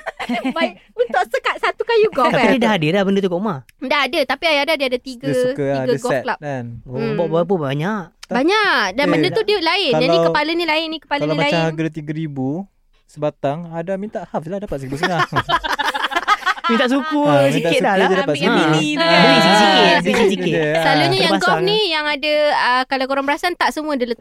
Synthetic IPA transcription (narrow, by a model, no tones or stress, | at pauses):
baunt̪ʊʔsəkat̪̚sat̪ukajuɡɔt̪apinidaɦadilahbəndət̪uɡɔʔuma | ndaɦadət̪apiajadadiadat̪iɡək̪iɡəɡɔlaanbɔʔbap̬ubaɲaʔ̪baɲaʔdanbədət̪udiəlaɪnd͡ʒaldikəpalənilaɪnːikə̥paləlaimalaahaɡət̪iɡəɾibu | səbat̪aŋadamint̪aʔhaflahdapat̪̚səɾibus̬əa | mint̪aʔsukusiit̪aɪtsudad͡ʒadapat̪iniisisikɪisisiɪlaluɲajaaɡɔnijaŋadəəkalawkoɾaŋbəɾasant̪aʔsəmuadələ